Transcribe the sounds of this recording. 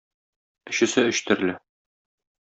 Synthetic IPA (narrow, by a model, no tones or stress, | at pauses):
ɵ̆ɕɘ̆sɘɵ̆ɕt̪ɘ̆ɾɘ̆lɘ